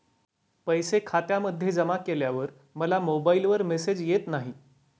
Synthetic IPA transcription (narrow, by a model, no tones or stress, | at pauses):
pəjsekʰat̪jaməd̪ʱːjed͡zəmakeljaʋəɾ | məlamobailʋəɾmesed͡ʑjet̪naɦi